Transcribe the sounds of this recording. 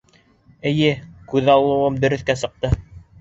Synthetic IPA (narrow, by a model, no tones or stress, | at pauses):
ɘ̆jɘkʉðɑlˠːɤ̆wɤmd̪ɵ̆ɾɵ̆θkæsɤ̆q̚t̪ɤ